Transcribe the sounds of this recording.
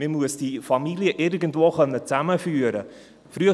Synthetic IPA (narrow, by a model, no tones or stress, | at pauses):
mɪmuəsd̥ifɑmiliəʔɪɾɡən̩tvoːχœnːət͡sæməfyːəɾə | fɾyə